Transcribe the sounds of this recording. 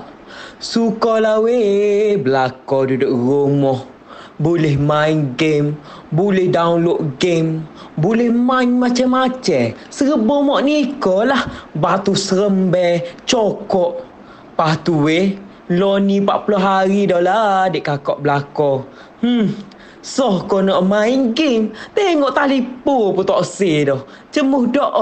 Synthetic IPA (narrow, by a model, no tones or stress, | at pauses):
sukɔlaweblakɔdudoʔromɔh | bulɛhmainɡem | bulɪhdaunloʔɡembulɛhmaɲmat͡ʃamat͡ʃɛ | səɾəbɔmɔʔnikɔlahbat̪usəɾəmbɛt͡ʃɔkɔʔ | pat̪ue | lɔnipaʔpulɔɦaɾidɔladeʔkakɔʔblakɔ | h̩ | sɔhkɔnɔʔmaiŋɡemt̪ɛŋɔʔt̪alipuput̪ɔʔsedɔh | t͡ʃəmʊhdɔʔ